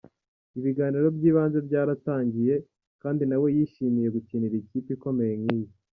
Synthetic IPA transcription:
iβiɡaːniɾo̞bɟiːβaːnze̞bɟaːɾataːɲɟije̞ | kaːndinawe̞jiʃimije̞ɡuciːniɾiciːpiko̞me̞je̞ŋŋiːji

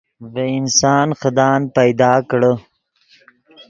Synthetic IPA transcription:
veɪnsɑːnxəd̪ɑːnpajd̪ɑːkɽə

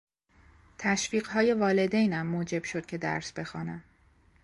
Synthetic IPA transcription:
t̪ʰæʃfiːɢɦɒːje̞vɒːle̞d̪ejnæmːoːd͡ʒe̞b̥ʃod̪̥̚cʰe̞d̪æ̰ɾsbe̞xɒːnæm

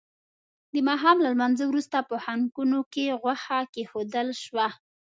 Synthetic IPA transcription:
d̪əmɑɦɑmlalmanzawɾust̪apəhaŋɡunokeɣwaxakexod̪əlʃwa

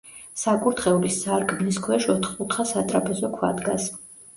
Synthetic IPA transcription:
sakʼuɾt̪χɛulisaɾɡmniskʰwɛʃɔt̪χʼut̪ʰχasat̪ʼɾapʰɛzɔkʰwa̰d̪ɡas

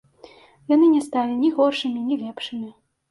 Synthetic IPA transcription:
janɨnʲɛst̪alʲinʲiɣɔrʂɨmʲinʲilʲɛpʂɨmʲi

